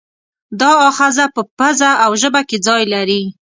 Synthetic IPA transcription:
d̪ɑɑxɑzapəpəzaawʒəbaked͡zɑjlaɾi

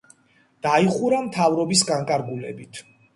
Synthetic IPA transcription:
d̪̥aiχuɾamt̪ʰavɾɔbisɡaŋkʼaɾɡulɛ̰bit̪ʰ

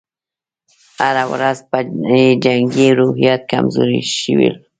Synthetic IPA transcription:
haɾawɾazpaed͡ʒaŋɡiɾʊhijat̪̚ka̰mzo̰ɾḭʃɪwḭl

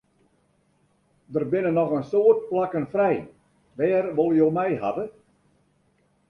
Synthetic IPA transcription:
dərbɪnənɔɣənsoət̚plakənfrɛj | ʋɛːrʋolˠjoːmɛjɦa̰bə

